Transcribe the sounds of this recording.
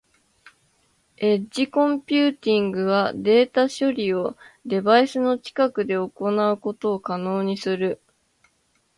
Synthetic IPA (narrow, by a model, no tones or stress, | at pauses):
e̞ʑikõ̞mpʲɨːt̪ʲĩŋɡɯ̟βad̪e̞ːt̪aɕo̞ɾʲio̞d̪e̞baisɨno̞t͡ɕi̥kakɯ̟d̪e̞o̞ko̞naɯ̟ko̞t̪o̞ːkano̞ːɲ̟isɨɾɯ̟